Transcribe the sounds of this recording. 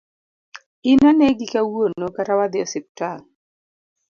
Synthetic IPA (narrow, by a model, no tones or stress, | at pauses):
ɪnanɛɡɪkawonokaɾawad̪ɪɔsɪp̚taŋ